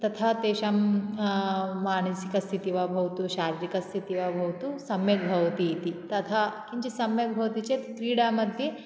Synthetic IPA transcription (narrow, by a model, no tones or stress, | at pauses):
t̪ɐt̪ʰat̪eːʃam | aːnɐsikɐst̪ʰit̪iʋabʱɐʋɐt̪uʃaːɾiɾikɐst̪ʰit̪iʋaːbʱɐʋɐt̪usɐmjɐt̪̚bʱɐʋɐt̪it̪it̪ɐt̪ʰakiɲt͡ʃisɐmjɐk̪̚bʱɐʋɐt̪it͡ʃet̪t̪ɾiːɽaːmɐd̪ʱje